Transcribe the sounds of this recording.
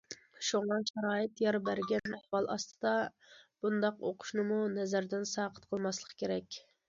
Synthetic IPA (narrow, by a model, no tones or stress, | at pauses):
ʃuŋɑʃɑɾɑːɨt̪jɑɾbæɾɡʲɛnɛhwɑlˠɑ̰st̪ʰɨ̥d̪ɑ | b̥und̪ɑqo̰qʰʊ̥ʃnɨmunɛzæɾd̪ɪnsɑqʰə̥t̪̚qʰəlˠmɑslˠəqʰkʲʰeɾɛkʲ